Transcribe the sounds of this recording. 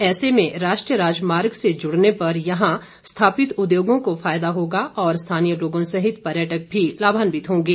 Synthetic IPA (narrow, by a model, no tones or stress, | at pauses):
ɛːsemẽɾaːʃʈɾijəɾaːd͡ʒmaːɾɡsed͡ʒʊɽnepɐɾjɐɦã | st̪ʰaːpɪt̪ʊd̪joːɡõkofaːjd̪aɦoːɡaɔːɾst̪ʰaːnijəloːɡõsɐɦɪt̪pɐɾjəʈək̚bʱilaːbʱaːnbɪt̪ɦõːɡeː